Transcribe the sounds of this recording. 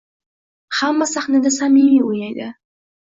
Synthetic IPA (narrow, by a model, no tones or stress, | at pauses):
hamːasaχnad̪asamimiojnɑjd̪ɪ̰